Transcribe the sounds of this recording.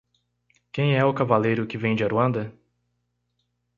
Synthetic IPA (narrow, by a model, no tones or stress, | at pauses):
kẽj̃ɛʊkavalejɾʊkɪvẽj̃d͡ʒɪaɾuɐ̃nd̪ɐ